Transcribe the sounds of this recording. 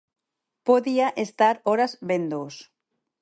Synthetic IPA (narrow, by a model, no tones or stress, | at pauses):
poðiaʔest̪aɾoɾazβend̪os